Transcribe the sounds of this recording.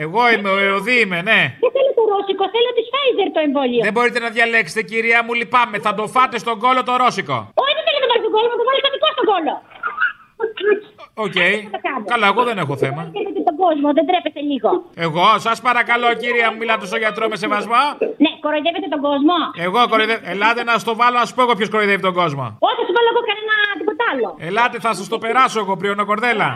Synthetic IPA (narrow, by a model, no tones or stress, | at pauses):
eɣo̞imeoeoðiimene̞ðeθelot̪oɾosikoθelot̪isfɐjzeɾt̪oeɱvolioðebo̞ɾit̪enɐðʝɐlekse̥t̪eciɾiɐmulipɐmeθɐt̪ofɐt̪est̪o̞ŋɡo̞lo̞t̪o̞ɾo̞siko̞̰ot̪iθelonɐpɐɾist̪oɡolomɐt̪ofɐlisɐt̪ikɐst̪oɡolo | oi̥oceiɐt̪okɐnkɐlɐeɣo̞ðe̞ne̞xo̞θe̞mɐiðevet̪et̪oɡozmoðend̪ɾepest̪eliɣoeɣo̞sɐspɐɾɐkɐlo̞ciɾiɐmumilɐt̪os̬t̪oʝɐt̪ɾomese̞vɐzmonekoɾoiðevet̪̬et̪oɡozmo̞eɣo̞koɾoiðevelɐt̪enɐsst̪o̞vɐlonɐsu̥poɣopçoskoɾojðevit̪et̪oɡo̞zmo̞̰osɐst̪ovɐloeɣokɐnenɐt̪ipot̪ɐloelɐt̪eθɐsɐst̪o̞pe̞ɾɐsoeɣopɾionokoɾðe̞lɐ